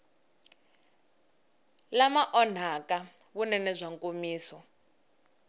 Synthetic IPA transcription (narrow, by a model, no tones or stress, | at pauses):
lamaʔɔn̤akʼawunɛnɛzʷaŋkʼomiːsɔ